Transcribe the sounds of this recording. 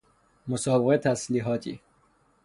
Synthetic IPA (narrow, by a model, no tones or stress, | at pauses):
mosɒːbeɣet̪ʰːæsliːɦɒːt̪ʰḭː